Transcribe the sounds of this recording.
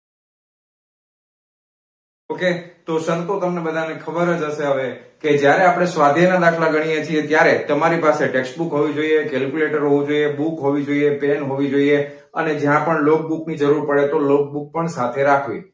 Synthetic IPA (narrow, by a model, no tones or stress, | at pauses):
oket̪osənt̪ot̪əmnebəd̪ʱanekʰəbəɾəd͡ʒɦəʃeɦəʋeked͡ʒjaɾeapɽ̃esʋad̪ʱjenad̪akʰlaɡəɽ̃ijet͡ʃʰiet̪jaɾet̪əmaɾipaseʈeksʈbukɦoʋid͡ʒoiekɛlkjuleʈəɾɦoʋĩd͡ʒoiebukɦoʋid͡ʒoiepenɦoʋid͡ʒoie | ə̰ned͡ʒjãpəɳlok̚buknid͡ʒəɾuɾpəɽet̪olok̚buk̚pəɳsat̪ʰeɾakʰʋḭ